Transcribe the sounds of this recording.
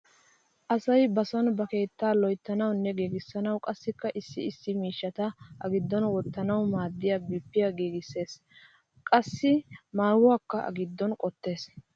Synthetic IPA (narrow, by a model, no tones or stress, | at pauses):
ʔɐsɐjbɐsɔnbɐke̞ːt̪ːaːlɔjt̪ːɐnɐwnːɛɡiːɡɪsːɐnɐwkʼɐsːɪkːɐʔɪsːɪɪsːɪmiːʃːɐt̪ɐʔɐɡɪd̪ːɔnwɔt̪ːɐnɐwmaːd̪ːɪjabiːpːɪjaɡiːɡɪsːe̞ːs | kʼɐsːɪmaːwʊwaːkːɐʔɐ̰ɡɪd̪ːɔnkʼɔt̪ːe̞ːs